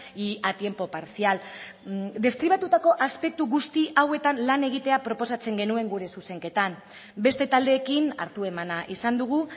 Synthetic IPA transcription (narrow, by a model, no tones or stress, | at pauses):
iat̪je̞mpo̞paɾsial | d̪e̞skɾiβat̪ut̪ako̞ʔaspe̞k̚t̪uɣust̪iawe̞t̪anlane̞ɣ̞it̪e̞apɾo̞po̞sat͡se̞ŋɡe̞nue̞ŋɡuɾe̞suse̞ŋke̞t̪am | be̞st̪e̞t̪ald̪e̞ːkina̰ɾt̪ue̞manaʔisand̪uɣ̞u